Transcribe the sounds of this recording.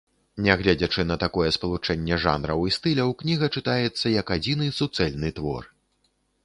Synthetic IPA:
nʲɛɣlʲad͡zʲɐt͡ʂɨnɐt̪akɔjɛspɐlˠut͡ʂɛnʲːɛʐa̰nɾɐwist̪ɨlʲɐwknʲiɣɐt͡ʂɨt̪ajɛt̪sːɐjɐkad͡zʲinɨsut̪sɛlʲnɨt̪vɔ̰r

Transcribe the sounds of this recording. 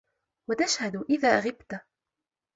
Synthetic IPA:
wat̪aʃhad̪ʔɪðaːʔɣɪbt̪

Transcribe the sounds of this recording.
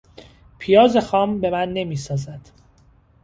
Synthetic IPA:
pʰijɒːze̞xɒːmbe̞mænːe̞miːsɒːzæd̪̥

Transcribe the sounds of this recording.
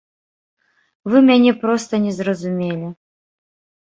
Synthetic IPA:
vɨmʲanʲɛpɾɔst̪ɐnʲɛzrɐzumʲelʲɛ

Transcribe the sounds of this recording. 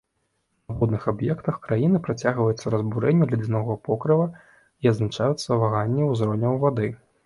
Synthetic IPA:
nɐxɔd̪nɨxabjɛkt̪ɐxkɾajinɨpɾat͡sʲaɣvɐjut̪sːɐɾɐzbuɾɛnʲːɛlʲid͡z̪ʲinɔɣɐpɔkɾɨvɐ | iɐd̪znat͡ʂajut̪sːɐvaɣanʲːɛwzɾɔnʲɐwvad̪ɨ

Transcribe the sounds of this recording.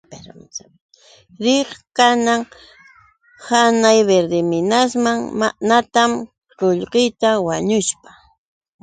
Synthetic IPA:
ɾ | ɾɪχkanaŋ | hanajbeɾd̪ɪmɪnasmaŋmanat̪am | ɾoʎqɪjt̪awaɲʊʃpḁ

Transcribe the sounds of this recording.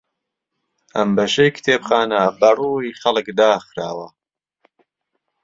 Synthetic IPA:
ʔɐmbɐʃejkʰt̪ʰeːpxaːnɐbɐruːixɐlˠɨkd̪aːxɾaːwɐ

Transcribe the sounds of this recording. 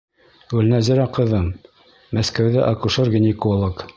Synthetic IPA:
ʉlnæzɘ̆ɾæqɤ̆ðɤmː | æskæwðɘʔɑkuʃorɡʲɪ̆nʲekolˠək

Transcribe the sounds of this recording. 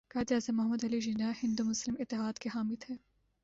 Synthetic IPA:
kɐːd̪iaːzɐmːɐɦɐmɐd̪ɐliʒinahɪ̃nd̪umʊslɪmɪt̪ːɪɦaːd̪keɦaːmit̪ʰɛː

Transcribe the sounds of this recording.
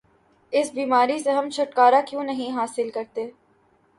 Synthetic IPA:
ɪsbiːmaːɾiseɦɐmt͡ʃʰʊʈkaːɾakjõːnɐɦĩɦaːsɪlkɐɾt̪eː

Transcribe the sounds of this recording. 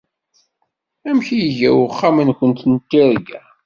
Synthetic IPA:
æmçijəʝæ̰wəχːamənkʷənt̪nt̪ːiɾɡæ

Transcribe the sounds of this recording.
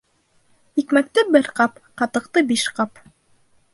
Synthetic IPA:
ikmæk̚t̪ɘbɘɾqɑpqɑt̪ɤ̆qt̪ɤbiʃqɑp

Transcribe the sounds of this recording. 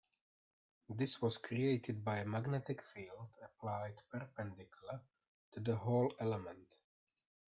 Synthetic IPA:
ðɪswɔzkʰɹieɪtʰɪd̚baɪəmaɡnɛtɪkfiːlˠdəpʰlaɪdpəɹpɛ̃ndɪkjulˠə | tuðəɦoʊlɛləmə̃nt

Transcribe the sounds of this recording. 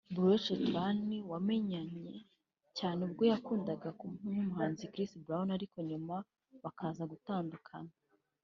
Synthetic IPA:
buɾoʃotaniwame̞ɲaɲe̞ | caːneubɡo̞jakuːndaɡakumhuumuhaːnzikɾisbɾaunaɾiko̞ɲuma | βakʰaːzaɡutaːndukʰa̰na

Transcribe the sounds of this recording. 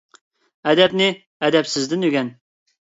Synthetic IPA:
æd̪ɛpnɪ | æd̪ɛpsɪzd̪ɪnøɡʲɛn

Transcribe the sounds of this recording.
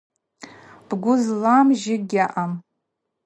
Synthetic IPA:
b̥ɡʷʊzlamʒɪɡʲaʔam

